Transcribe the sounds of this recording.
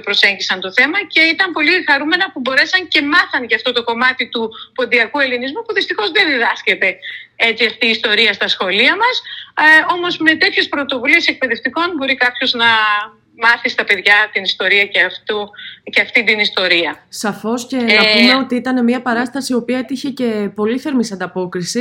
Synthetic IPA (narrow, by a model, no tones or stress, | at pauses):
pɾo̞se̞ɲɟisɐnt̪o̞θe̞mɐce̞it̪ɐmpo̞lixɐɾume̞nɐpubo̞ɾe̞sɐnce̞mɐθɐnʝɐft̪o̞t̪o̞ko̞mɐt̪it̪upo̞nðiɐkue̞linizmupuðist̪ixo̞zðe̞nðiðɐsce̞t̪e̞e̞t͡siɐft̪iːst̪o̞ɾiɐst̪ɐsxo̞liɐmɐso̞mo̞zme̞t̪e̞t̪çe̞spɾo̞t̪o̞vulie̞se̞k̚pe̞ðe̞ft̪iko̞nbo̞ɾikɐpço̞znɐ | mɐθist̪ɐpe̞ðʝɐt̪inist̪o̞ɾiɐceɐft̪uceɐft̪ind̪inist̪o̞ɾiɐsɐfo̞sce̞nɐpume̞o̞t̪iit̪ɐne̞miɐpɐɾɐst̪ɐsio̞piɐet̪içe̞ce̞po̞liθe̞ɾmisɐnd̪ɐpo̞kɾisi